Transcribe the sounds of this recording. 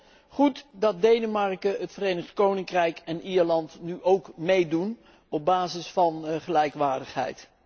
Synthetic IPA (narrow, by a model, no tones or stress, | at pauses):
χutdɑd̚dejnəmɑɹkəɦətfərejnəχtkownɪŋkrɛjkɛniːɹlɑntnyʔowkmejdun | ɔb̚baːzɪsfɑnχəlɛjkʋaːɹdəχɦɛ̰jt